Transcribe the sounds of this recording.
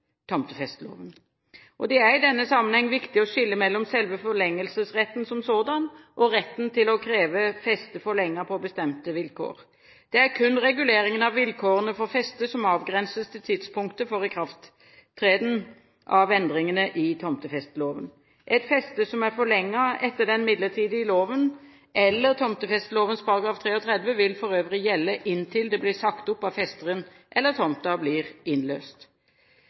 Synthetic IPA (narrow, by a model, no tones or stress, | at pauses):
t̪ʰɔmt̪əfɛst̪lo̰ːʋən | ʔɔd̪ɛæʁɪd̪ɛnːəsɑmːənhɛŋːʋɪkt̪ɪɔʃɪlːəmɛlːɔmsɛlʋəfɔʁlɛŋːəlsəsʁɛt̪ːnsɔmsoːd̪ɑnʔɔɾɛt̪ːnt̪ʰɪlɔkʰɾeːʋəfɛst̪əfɔʁɭɛŋːəpʰɔbəst̪ɛmt̪əʋɪlkʰo̰ːʁ | d̪̥ɛæɾkʰʉnːʁɛɡʉleːɾɪŋənɑʋʋɪlkʰoːʁənəfɔʁfɛst̪əsɔmɑːʋɡʁɛnsəst̪ʰɪlt̪ʰɪd̪spʰʊŋkt̪əfɔʁɪkʰɾɑft̪ʰː | ʁeːd̪n̩ | ʔɑʋɛnd̪ʁɪŋənəʔɪt̪ʰɔmt̪əfɛst̪loːʋən | ʔɛt̪fɛst̪əsɔmæʁfɔɭɛŋːɑɛt̪ːəd̪ɛnmɪd̪lət̪ʰiːd̪əɪloːʋən | ʔɛlːəʁt̪ʰɔmt̪əfɛst̪loːʋənspʰɑʁɑɡɾɑːft̪ʰʁeːɔt̪ʰɾɛd̪ʋəʋɪlfɔʁøːʋəʁɪjɛlːəʔɪnt̪ʰɪld̪ɛblɪsɑkt̪ʊpːɑʋfɛst̪əʁən | ʔɛlːəʁt̪ʰɔmt̪ɑbliːʁɪnlø̰ːst̪